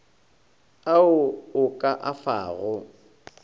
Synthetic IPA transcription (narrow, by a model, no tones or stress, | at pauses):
aʊʊkʼaʔafa̰ːɣʊ